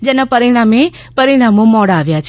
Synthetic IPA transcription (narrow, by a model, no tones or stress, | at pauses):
d͡ʒenapəɾiɽ̃ame | pəɾiɽ̃amomɔɽaːʋjat͡ʃʰ